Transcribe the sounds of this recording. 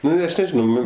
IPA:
ˈnʊ ˈɐʃ nʲɛˈʒʲɪnɐʊ ˈnʊ

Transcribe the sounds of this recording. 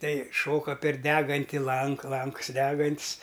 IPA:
ˈtɐɪ ˈʃoːkɐ pʲɛr ˈdʲæːɡɐnʲtʲɪ ˈlˠɐŋk ˈlˠɐŋks ˈdʲæːɡɐnʲtʲsʲ

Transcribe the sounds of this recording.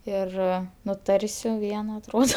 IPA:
ˈɪr nʊˈtɐrʲsʲʊ ˈʋʲiɛnɐ ɐtˈroːdoː

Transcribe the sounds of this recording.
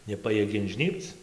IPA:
nʲɛˈpɑːjiɛɡʲɛ ɪnʲˈʒʲnʲiːpt͡s

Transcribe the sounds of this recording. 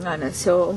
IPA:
ˈnɐ nʲɛs ˈjɛʊ

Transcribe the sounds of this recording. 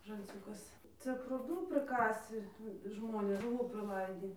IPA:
ʒɐlʲˈt͡sʲuːkɐs ˈt͡sʲɛ pruːˈduː pʲrʲɪˈkɑːsʲɪ ˈʒmoːnʲeːs ʒʊˈʋuː pʲrʲɪˈlˠɐɪdʲiː

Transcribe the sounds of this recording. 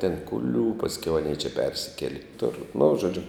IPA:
tʲɛn kʊˈlʲuː pɐsʲˈkʲɛʊ ɐˈnʲiɛ t͡ʃʲɛ ˈpʲɛrʲsʲɪkʲɛlʲɪ kʲɪˈtʊr nʊ ʒoːˈd͡ʒʲʊ

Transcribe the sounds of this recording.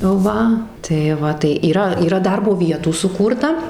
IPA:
ˈʋɐ tɐɪ ˈʋɐ tɐɪ iːˈrɐ iːˈrɐ ˈdɐrboː ˈʋʲiɛtuː sʊˈkuːrtɐ

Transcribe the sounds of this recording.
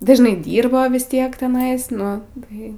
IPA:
ˈdɐ ʒʲɪnˈɐɪ ˈdʲiːrbɐ ˈtʲiɛk tʲɛˈnɐɪs ˈnʊ ˈtɐɪ

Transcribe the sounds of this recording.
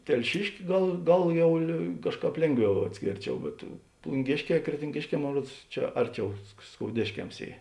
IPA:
tʲɛlʲˈʃʲɪʃʲkʲɪ ˈɡɐlˠ ˈɡɐlˠ ˈjɛʊ lʲeː ˈkɑːʃˌkɑːp ˈlʲeːŋˌɡʋʲɛʊ ɐtʲˈsʲkʲeːrʲˌt͡ʃʲɛʊ bʲɛt plˠʊŋʲˈɡʲeːʃʲˌkʲɛː krʲɛtʲɪŋʲˈɡʲeːʃʲˌkʲɛː ˈmoːn ˈruɔts ˈt͡ʃʲɛ ˈɐrʲˌt͡ʃʲɛʊ sk skoːʊˈdʲeːʃʲkʲɛms ˈiː

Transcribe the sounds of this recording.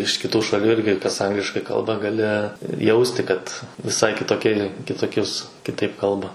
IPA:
ɪʃ kʲɪˈtuː ʃɐˈlʲuː ˈɪrʲɡʲɪ kɐs ˈɐŋɡlʲɪʃkɐɪ ˈkɐlˠbɐ ɡɐˈlʲɪ ˈjɛʊsʲtʲɪ kɐt ʋʲɪˈsɐɪ kʲɪtoːˈkʲiɛ kʲɪtoːˈkʲʊs kʲɪˈtɐɪp ˈkɐlˠbɐ

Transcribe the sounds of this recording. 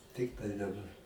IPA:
ˈtʲɪktɐɪ dɐˈbɐr

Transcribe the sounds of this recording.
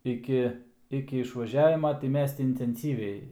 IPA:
ɪˈkʲɪ ɪkʲɪ ɪʃʋɐˈʒʲæːʋʲɪmɐ tɐɪ ˈmʲɛs tʲɪ ɪnʲtʲɛnʲˈsʲiːʋʲɛɪ

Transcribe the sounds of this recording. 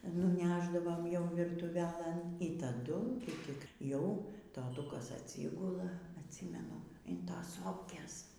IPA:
nʊˈnʲæːʒdɐʋoːm ˈjɛʊ ʋʲɪrtʊˈʋʲæːlˠɘn iː tɐˈdʊ ˈtʲɪk ˈjɛʊ toːˈtʊkɐs ɐˈtʲsʲiːɡʊlˠɐ ɐtʲˈsʲiːmʲɛnʊ ɪn ˈtoːs ˈsoːpʲkʲeːs

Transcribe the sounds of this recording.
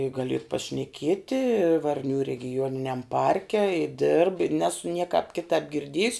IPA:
ɪ ˈɡɑːlʲɪ ɪr pɐʃʲnʲɛˈkʲiɛtʲɪ ˈʋɐrʲnʲuː rʲɛɡʲɪˈjuɔnʲɪnʲɛm ˈpɐrʲkʲɛ ɪ dʲɪrp ɪ ˈnʲæːsʊ ˈnʲiɛkɑːp ˈkʲɪtɑːp ɡʲɪrʲˈdʲiɛjʊs

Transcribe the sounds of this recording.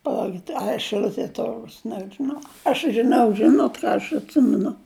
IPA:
pɐˈlˠɐʊkʲɪt ɐ ʃɨˈlʲʊtʲiɛ ˈtʊrɡʊs nʲɛʒʲɪˈnɐʊ ɐʃ ʒʲɪˈnɐʊ ˈʒʲɪnoːt ˈkɑː ɐʃ ɐtʲˈsʲɪmʲɛnʊ

